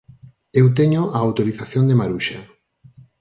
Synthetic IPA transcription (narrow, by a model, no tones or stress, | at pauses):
ewt̪̬eɲoaawt̪oɾiθaθjond̪emaɾuʃa